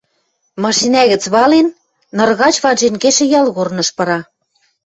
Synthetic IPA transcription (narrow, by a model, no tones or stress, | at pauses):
mɑʃinæɣɘ̆t͡sβɑlenː | ɤ̆rɣɑt͡ɕβɑnʒenkeʃĕjɑlɣornɤ̆ʃpɤ̆ɾɑ